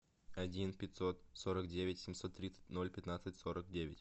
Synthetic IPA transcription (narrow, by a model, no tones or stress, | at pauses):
ɐdʲinpʲɪt̪ʲso̞t̪so̞ɾəkdʲevʲɪtʲsʲɪmʲso̞t̪ːɾʲit̪sɨ̥tʲno̞lʲpʲɪt̪nat̪sɨtʲso̞ɾək̚dʲevʲɪ̰tʲ